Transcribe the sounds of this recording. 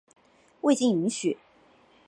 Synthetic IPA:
we˥˧ɪt͡ɕi˥˩ŋi˧˥ŋɕy˨˩˦

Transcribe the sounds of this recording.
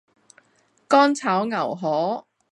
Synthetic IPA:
kɔː˥nt͡sʰaː˨˥wŋɐ˨˩wɦɔː˨˥

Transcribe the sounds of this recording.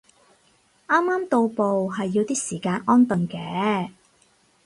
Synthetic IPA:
ʔaː˥mːaː˥mt̪o˧wpo˨wɦɐ˨jːiː˧wt̪iː˥siː˨˩kaː˧nʔɔː˥nt̪ə˨ŋkɛː˨˧˦

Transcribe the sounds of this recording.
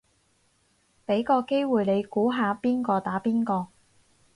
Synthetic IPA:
pe˨˥jkɔː˧ke˥jwuː˨jle˨˧jkuː˨˥ɦaː˨˧piː˥nkɔː˧t̪aː˨˥piː˥nkɔː˧

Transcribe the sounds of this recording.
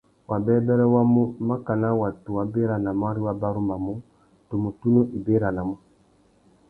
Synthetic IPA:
wʔa˨bɛ˦bɛ˦ɾɛ˦wa˦mu˦ma˦ka˨na˦wa˨tu˨wa˨be˦ɾa˨na˨ma˦ɾi˦wa˦ba˦ɾu˦ma˨mu˦ | to˨mu˨tu˦nu˦ʔi˨be˦ɾa˨na˨mu˦

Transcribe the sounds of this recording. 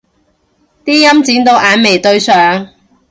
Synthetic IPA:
t̪iː˥jɐ˥mt͡siː˨˥nt̪o˧wʔaː˨˧nme˨˩jt̪ɵ˧ɥsœː˨˧ŋ

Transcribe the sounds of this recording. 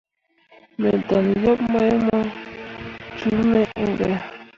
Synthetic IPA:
mɛ˨da˨ljɔ˦p̚ma˦mɔ˦ | t͡ʃu˦mɛ˦ʔŋ̩˦ɡɛ˨

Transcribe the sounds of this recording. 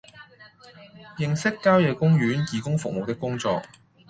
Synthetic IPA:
jɪ˨ŋsɪ˥kːaː˥wjɛː˨kʊ˥ŋɥyː˨˥nkiː˨kʊ˥ŋfʊ˨k̚mo˨wt̪ɪ˥kːʊ˥ŋt͡sɔ̰ː˧k̚

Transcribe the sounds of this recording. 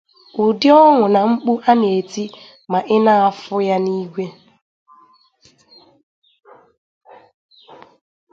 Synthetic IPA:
ʊ˨dɪ˦ɔ˦ŋʊ˨na˨ŋ͡m̩˦k͡pu˦ʔa˦n˨e˨ti˦ | ma˨ʔɪ˦na˦a˨fʊ˦ja˦ni˦ɡʷe˦

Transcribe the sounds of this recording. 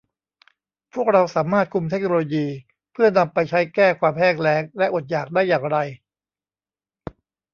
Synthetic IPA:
pʰu˥˩ək̚ɾa˧wsaː˩˦mːaː˥˩t̪̚kʰu˧mt̪ʰe˦˥k̚noː˧loː˧jiː˧ | pʰɯ˥˩ɐna˧mpa˧jt͡ɕʰa˦˥jkɛː˥˩kʰwaː˧mɦɛː˥˩ŋɾɛː˦˥ŋlɛ˦˥ʔo˨˩t̪̚jaː˨˩k̚daː˥˩jːaː˨˩ŋɾa˧j

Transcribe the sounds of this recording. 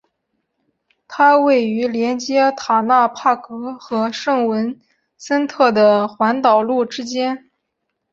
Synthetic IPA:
t̪ʰa˥we˥˩ɪy˧˥ljɛ˧˥nt͡ɕjɛ˥t̪ʰa˨˩na˥˧pʰa˥˩kɤ˧˥xɤ˧˥ʂɤ˥˩ŋwə˧˥n | sə˥nt̪ʰɤ˥˩d̪ə˩xwa˧˥nt̪ɑ˨˩ʊlu˥˩ʈ͡ʂɻ̩˥t͡ɕjɛ˥n

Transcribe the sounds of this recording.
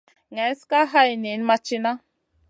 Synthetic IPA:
ŋɛ˨˦ska˦ɦa˦jni˨˦nma˧t͡ʃi˦na˦

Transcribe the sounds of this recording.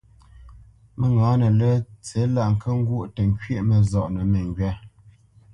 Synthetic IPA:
mə˨ŋɡaː˨˦nə˨lə˦t͡se˨˦la˦˨ʔŋ̩˨kʰə˦ŋ̩˦ɡwu˦˨ʔtə˨ŋ˦kɥe˦ʔmə˨zɔ˨ʔnə˨mə˨ŋɡɥɛ˦

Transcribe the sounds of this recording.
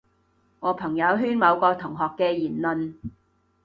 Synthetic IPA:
ŋɔː˨˧pʰɐ˨˩ŋjɐ˨˧wɦyː˥nmɐ˨˧wkɔː˧t̪ʰʊ˨˩ŋɦɔː˨kːɛː˧jiː˨˩nlɵ˨˧n

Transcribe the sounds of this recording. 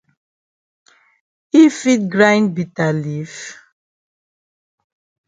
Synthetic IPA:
i˦fi˦t̚ɡɾã˦jnbi˨ta˨li˨˦f

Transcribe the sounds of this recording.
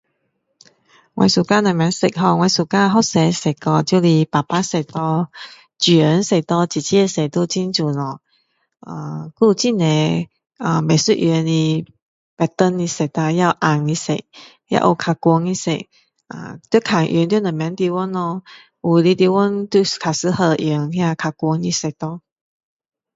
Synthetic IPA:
wʔa̰˧jsu˨ka˧˥na˨˩mɛ˨˧˦ŋsɪ˨˩k̚ɦɔ˧ŋwa˧jsu˨˩kaː˧˥˧ɦɔ˥sɛ˨˧˦sɪ˨˩kkɔ˧t͡ɕju˧li˧paː˨˩paː˦˥se˨˩t̪ɔ˧ | t͡ɕi˨˩ə˨˦nse˨˩t̪ɔ˧t͡ɕi˨˩t͡ɕʰi˦˧se˨˩t̪o˧t͡si˦nt͡su˨nɔ˨˧ | a˧ku˧t͡ɕi˥˨nɛ˨˧˦ | a˨˩me˨˩su˥ʔ̚jɛ˧ni˧ | pɛ˧t̪ə˧ni˧se˨t̪a˧ja˥˧wʔa˧˩ŋi˧sḛ˨ | ja̰˧ʔo˧kʰa˧kwɔ˧ŋi˧sḛ˨ | ʔa̰˧˨t̪u˥˦kʰa˨˩ŋʔḭ˧˦ŋt̪nə˨˩˨mjã˨˧˦nt̪i˧wɔ˦nːɔ˧ | wu˧˨˩li˧t̪i˧wɔ˦nt̪u˧kʰa˨˩sɨ˧˦hə˧ʔi˨ŋhjã˧kʰa˧kwɔ˧ŋi˧se˨˩t̪ɔ˧

